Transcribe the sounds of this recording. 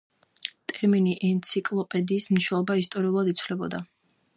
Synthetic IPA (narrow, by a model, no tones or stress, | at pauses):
t̪ʼɛɾminiʔɛnt̪sʰikʼlˠɔpʼɛd̪iːsmniʃwɛlˠɔbaist̪ʼɔɾiulˠad̪it̪sʰwlɛbɔ̰d̪a